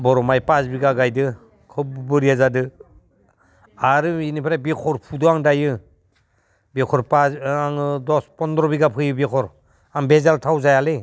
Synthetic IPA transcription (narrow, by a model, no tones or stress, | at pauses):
bɔɾɔmajpasbiɡaɡajdɯ | kʰɯpbɯɾiazadɯ | aɾɯinipʰaɾabekʰɔɾpʰudɔaŋdajɯ | bekʰɔɾpaaŋdɔspɔndɾɔbiɡapʰɯjɯbekʰɔɾ | aŋbezaltʰawzajale